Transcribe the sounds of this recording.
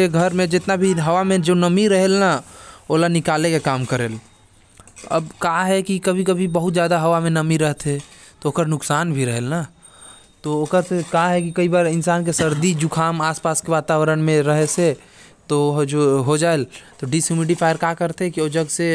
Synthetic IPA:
eɡʱəɾmẽd͡ʒɪt̪nabʱiɦɐʋamẽd͡ʒonəmiɾəɦelnaoːlanɪkaːlekekaːmkəɾeːl | ɐ̰bkaɦɛkikɐbʱikɐbʱibɐɦʊt̪d͡ʒjaːd̪aɦɐʋamẽnəmiɾəɦt̪ɦɛ | t̪ooːkəɾnʊksaːnbʱiɾəɦelna | t̪ooːkəɾsekaɦɛkikɐibaːɾɪnsaːnk̬esɐɾd̪id͡ʒukʰaːmaːspaːskeʋaːt̪aːʋɾənmẽɾəɦese | t̪oɦd͡ʒoɦod͡ʒaːelt̪oɖisumiɖipʰaːjəɾkakəɾt̪eɦɛ̃kioːd͡ʒɐɡse

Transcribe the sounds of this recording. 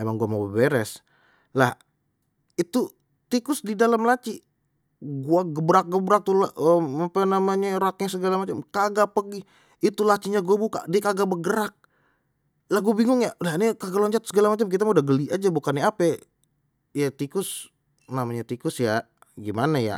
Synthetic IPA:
emaŋɡuamobəbeɾɛs | lah | it̪u | t̪ikʊsdidalamlat͡ʃi | ɡuaɡəbɾak̚ɡəbɾak̚t̪ulaəmapanamaɲaɾak̚ɲasəɡalamat͡ʃamkaɡapəɡi | it̪ulat͡ʃiɲaɡuabuka̰dikaɡabəɡəɾak̚ | lahɡubiŋʊŋjalanikaɡaloɲt͡ʃat̪̚səɡalamat͡ʃamk̬it̪amaudahɡəliʔad͡ʒabukanːiapɛ | jat̪ikʊs | namaɲat̪ikʊsja | ɡimanaja̰

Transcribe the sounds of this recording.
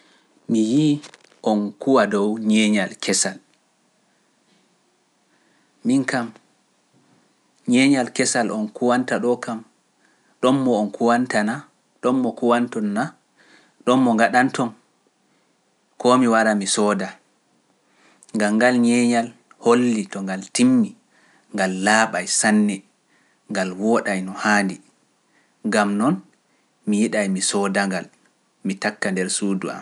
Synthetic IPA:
miji | ʔɔnkuwadɔwɲɛɲalkʰɛsal | miŋkam | ɲɛɲalkɛsalʔɔnkuwantaɗɔkam | ɗɔmːɔːnkʰuwantana | ɗɔmːɔkuwantɔnːa | ɗɔmːɔŋɡaɗantɔn | kɔmiwaɾamisɔːda | ŋɡamɡalɲɛɲal | holːitɔŋɡaltimːi | ŋɡalːaːɓajsanːɛ | ŋɡalwɔɗajnɔhaːndi | ŋɡamnɔn | mijiɗajmisɔdaŋɡal | mitakːandɛɾsuːdṵa̰m

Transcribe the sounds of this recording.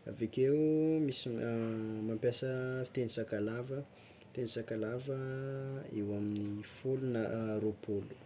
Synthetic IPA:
a̰vekeumisi | mampjasəfi̥t̪enisakalavə | t̪enisakalavə | ewaminifulunaɾopʰolu̥

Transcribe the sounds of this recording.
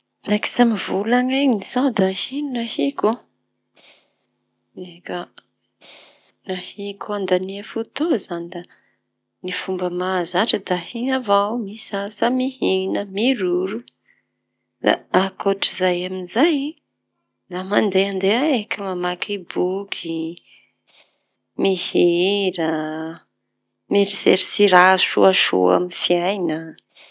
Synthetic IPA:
naki̥samivulaŋanisad̪ahinnahiko | nekə | nahikʰoand̪aniəfut̪ozanid̪a | nifumbəmazaʈ͡ʂəd̪ahinavawmisasamihinəmiɾuɾu | d̪a̰akoʈ͡ʂizajaminzaj | d̪amand̪eand̪eaekəmamakʰibukʰi | mihiɾə | meɾizḛɾisiɾaʃṵaʃṵa̰minfiajnə

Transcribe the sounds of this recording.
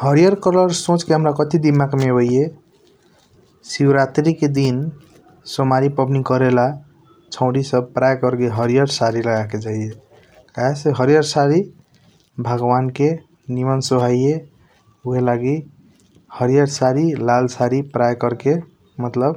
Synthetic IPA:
hʌɾijʌɾkʌɾlʌɾsõt͡ʃkeɦəmɾakʌt̪id̪imakmebojje | siwɾat̪ɾiked̪in | somaɾipʌbnikʌɾela | t͡ʃʰʌ̃ʊ̃ɽisʌb̚pɾajkʌɾkeɦʌɾijʌɾsaɾilʌɡaked͡ʒaije | kaɦeseɦʌɾijʌɾsaɾi | bʱʌɡwanke | nimʌnsoɦaje | uɦelaɡi | hʌɾijʌɾsaɾilalsaɾipɾajkʌɾke | mʌt̪lʌb

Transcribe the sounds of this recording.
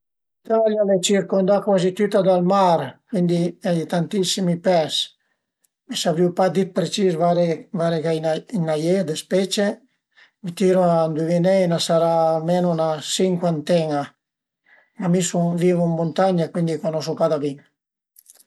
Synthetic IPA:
it̪aljalet͡ʃiɾkond̪akwazit̪yt̪ad̪almaɾkwind̪iɛd̪it̪ant̪isimipɛs | mesaviwpad̪it̪̚pɾet͡ʃisvaɾevaɾekaininajɛd̪espɛt͡ʃe | mit̪iɾoand̪uvinɛjnasaɾamɛnunasiŋkwant̪ɛŋa | mamisuŋvivummːont̪aɲakwind̪ikwanɔs̬upad̪abiŋ

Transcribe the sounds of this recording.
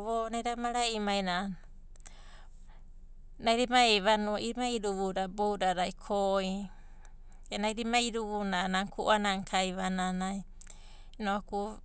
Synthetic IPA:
βonajɾamaɾaimajna | najɾimaejβanuaiɾimaiɾuβuɾabowɾaɾajkʰoi | enajɾimaiɾuβunanaŋkʰuʔanaŋkʰajβananaj | noaku

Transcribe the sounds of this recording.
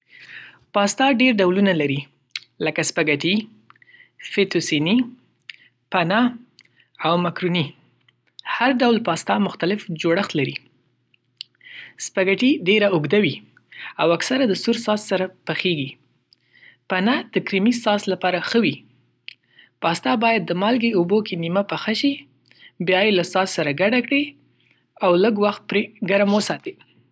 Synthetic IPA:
pɑst̪ɑɖeɾɖawlunalaɾi | ləkaspaɡaʈi | fet̪osini | pana | awmakɾuni | haɾɖawlpɑst̪ɑmʊxt̪alɪfd͡ʒoɽəxt̪laɾi | spaɡaʈiɖeɾaʊɡd̪awi | awaksaɾad̪əsuɾsɑssaɾapəxeɡi | panad̪̥əkɾimisɑslapɑɾaxəwi | pɑst̪ɑbɑjad̪̚ːəmalɡeubokenimapəxaʃi | bjɑjelasɑssaɾaɡaɖakɽe | awləɡwaxt̪̚pɾeɡaɾamwəsɑt̪e

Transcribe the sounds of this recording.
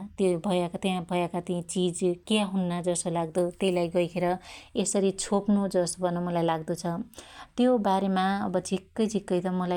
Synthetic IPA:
t̪jobʱʌjakt̪jãbʱʌjakat̪ĩt͡sid͡zkjaɦunːʌd͡zʌsolaɡd̪ut̪elajɡʌjkʰeɾʌesʌɾit͡sʰopnod͡zʌsbʱʌnʌmʌlajlaɡd̪ut͡sʰʌt̪jobaɾemaʌbʌd͡zʱikːʌjd͡zʱikːʌjt̪ʌmʌla

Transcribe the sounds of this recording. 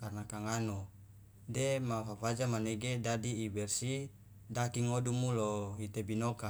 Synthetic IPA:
karnakaŋano | demafafad͡ʒamaneɡedadiːbɛrsi | dakiŋodumuloɦit̪ebinoka

